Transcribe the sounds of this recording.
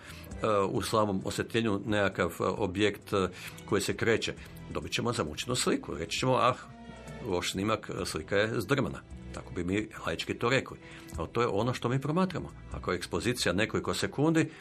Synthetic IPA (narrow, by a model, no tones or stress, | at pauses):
ṵslˠaːʋomo̞̰sjet̪ʎʲeːɲunekakaʋo̰bjekt̪ko̞jisekɾe̞ːt͡ɕe | d̪o̞bit͡ɕemozamut͡ʃenuslikṵɾet͡ʃt͡ʃemoʔax | ʋoʃsnimakslikajezd̪r̩mana̰t̪ako̞bimila̰jit͡ʃkit̪oɾekli | alt̪ojḛʔo̞noʃt̪o̞miːpɾo̞maːt̪ɾamo | a̰ko̞jeekspo̞ziːt̪sijane̞ko̞lˠiko̞se̞kund̪i